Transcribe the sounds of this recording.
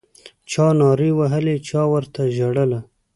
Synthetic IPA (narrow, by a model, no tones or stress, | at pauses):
t͡ʃɑnɑɾewaɦəlet͡ʃɑwəɾt̪aʒaɽəla